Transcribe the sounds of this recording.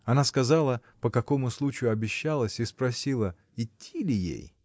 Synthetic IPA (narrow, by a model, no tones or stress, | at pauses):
ɐnaskɐzalˠə | pəkɐko̞mʊslˠut͡ɕɪjʊɐbʲɪɕːalˠəsʲispɾɐsʲilˠə | ɪtʲʰːilʲɪjḛj